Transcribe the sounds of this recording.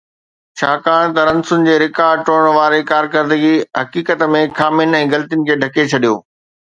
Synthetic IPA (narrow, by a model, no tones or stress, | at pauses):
t͡ɕʰaːkaːɽ̃t̪ɐɾɐ̃nsʊnɪ̆d͡ʑeːɾɪkaːʈoːəɽ̃ʋaːɾekaːɾk̬ɐɾd̪əɡiɦɐkiːkət̪mẽkʰaːmjʊnɪ̆ɛ̃ːɡɐlt̪ijʊnɪ̆kʰeːɖʱɐket͡ɕʰɐɗijo̰ː